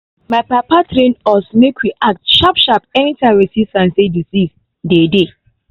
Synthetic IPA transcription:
majpapatɾẽnɔsmekwiʔak̚tʃapʃapɛnitʰãɹisiftãnsedisis | dede

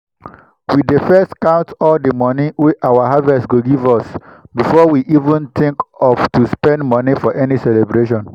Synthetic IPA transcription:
widefɛstkãʊ̃ntɔldəmɔniwiʔawaɦavɛstɡoɡivɔsbifɔwiʔivũnθĩŋkɔftuspɛ̃ndmɔnifɔʔɛnisɛlebɹeʃɔ̃n

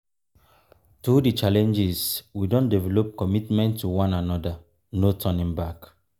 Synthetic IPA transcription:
tudit͡ʃalɛ̃nd͡ʒiswidõndɛvɛlɔp̚kɔmitmɛ̃ntʰːuwãnanɔda | notʰɔnĩŋbak

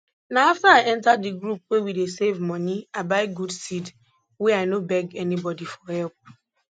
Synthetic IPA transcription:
naaftaaʔɛ̃ntadiɡɾup̚wewidesevmɔniabaɪɡudsid | wɛaɪnobɛɡɛnibɔdifɔhɛlp̚

